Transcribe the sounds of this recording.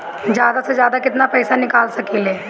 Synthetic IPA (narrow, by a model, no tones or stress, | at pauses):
d͡ʒjaːd̪ased͡ʒjaːd̪akɪt̪napɛːsanɪkaːlsɐkileː